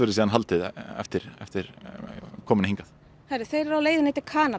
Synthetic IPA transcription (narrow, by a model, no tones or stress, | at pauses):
ʏɾʏsiːðanɦalt̪ɪðɛ̰ft̪ɪɾɛ̰ft̪ɪɾ | kʰɔːmɪnɪhĩŋkaθ | hajɾɪ̥θejɾɛɾawleːjðʏnejt̪ɪ̥kʰaːna